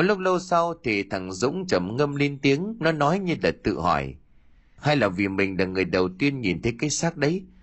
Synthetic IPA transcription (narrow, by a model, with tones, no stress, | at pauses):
ɔ˨˦lʊ˦˥k͡p̚lə˧wsa˧wt̪ʰi˨˩t̪ʰa˨˩ŋzʊ̰˧˥ŋ͡mt͡ɕə˧˩mŋə˧mli˧nt̪i˨˦əŋnɔ˨˦nɔ˨˦jɲɨ˧laː˨˩t̪ɨ̰˧˨hɔ̰˧˩j | ha˧jlaː˨˩vi˨˩mï˨˩ŋ̟laː˨˩ŋɨ˨˩əjɗə˨˩wt̪i˧ənɲi˨˩nt̪ʰə˨˦jkaː˨˦jsaː˦˥k̚ɗə˨˦j